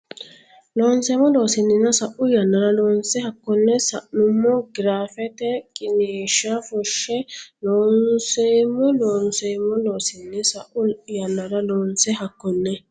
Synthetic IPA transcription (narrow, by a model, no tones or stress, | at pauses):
loːnseːmːɔlo̞ːsɪnːɪnɐsɐʔʊjɐnːɐɾɐloːnsɛhɐkːɔnːɛsɐʔnʊmːɔɡɪɾaːfɛt̪ɛkʼɪneːʃafʊʃːɛloːnsemːɔloːnsemːɔloːsɪnːɪsɐʔʊjɐnːɐɾɐloːnsɛɦɐkːɔnːɛ